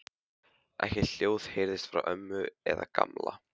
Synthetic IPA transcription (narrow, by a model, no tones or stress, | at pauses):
ʔɛhcɛt̪l̥joːwð̥hejɾðɪst̪fɾawʔœmːʏɛðaka̰mla